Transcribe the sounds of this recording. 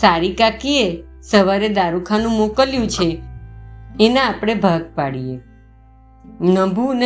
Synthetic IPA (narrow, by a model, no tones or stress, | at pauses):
saɾikakiesəʋaɾed̪aɾũkʰanũmokəljũt͡ʃʰeː | nãːpɽ̃ebʱaɡ̚paɽije | nəbune